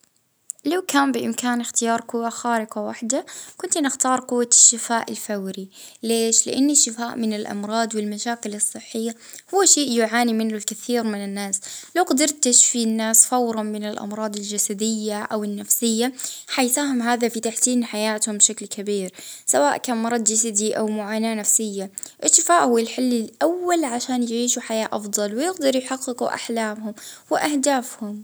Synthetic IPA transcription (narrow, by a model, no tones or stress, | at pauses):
lawkaːmbɪʔɪmkaːnɪxt̪ɪjɑːɾˤqʊwːaxaːɾɪqawaħd̪akʊnt̪nɪxt̪ɑːɾˤqʊwːaʃːɪfaːʔɪlfawɾileːʃlɪ̰ʔanːaʃːɪfaːʔmɪnɪlʔɑ̰mɾˤɑːd̪ˤwɪlmaʃaːkɪlɨsˤːɨħːɪjːa | hʊwːaʃeːʔjʊʕaːnimɪnlʊlkaθiːɾmɪnɪnːaːslawqad̪ɑɾˤt̪ɪʃfinːaːsfawɾˤɑnmɪnɪlʔɑ̰mɾˤɑːd̪ˤɪld͡ʒasad̪ɪjːaʔawɪnːafsɪjːaħajsaːɦɪmɦaːðafit̪aħsiːnħajaːt̪hʊmbʃaklkʰabiːɾsawaːʔkaːnmɑɾˤɑd̪d͡ʒasad̪iʔawmʊʕaːnaːnafsɪjːaʔɪʃt̪ɪfaːʔhʊːɪlħɪlːɪlʔawːalʕaʃaːnjɪʕiːʃuħajaːʔɑfd̪ˤɑlwɪjɪɡd̪ɑɾˤjħɑqːɪquʔa̰ħlaːmhʊmwɪʔahd̪aːfhʊm